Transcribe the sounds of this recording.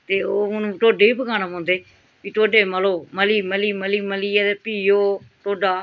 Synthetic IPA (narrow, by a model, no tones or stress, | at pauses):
t̪eːoːʊnũːʈoːɖeːiːpəkaːnamõːnd̪eː | piːt̪oːɖeːməloːməliːməliːməliːməliːɛd̪epiːjoːʈ̪oːɖaː